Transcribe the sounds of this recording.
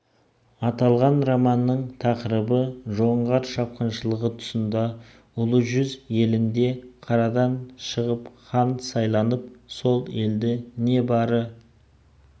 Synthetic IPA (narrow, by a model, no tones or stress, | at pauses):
ɑt̪ɑlˠʁɑnrɑmɑnːəɴt̪ʰɑqəɾəbəʒo̞ɴʁɑɾʃɑp̚qɑnʃəlˠəʁət̪ʰʊ̥sənd̪ɑ | ʊlˠəʒʏzje̞lɪnd̪e̞qʰɑɾɑd̪ɑnʃəʁəpχɑnsɑjlˠɑnəp̚so̞lˠe̞ld̪ɪne̞bɑɾə